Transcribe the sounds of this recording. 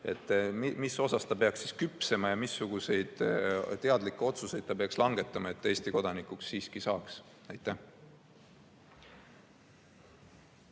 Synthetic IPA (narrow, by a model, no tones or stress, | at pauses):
e̞̰t̪ːˑmmiso̞sɑst̪ɑpe̞ɑksiskypse̞mɑjɑmisːuɡ̥use̞jd̪̥t̪e̞ɑd̪likˑːeo̞t̪suse̞jd̪̥̚t̪ɑpeɑkslɑŋɡ̥e̞t̪ːˑɑmɑe̞t̪ːˑe̞ːsʲt̪iko̞d̪ɑnikˑuksːiːskisɑːks | ɑjt̪ːˑæh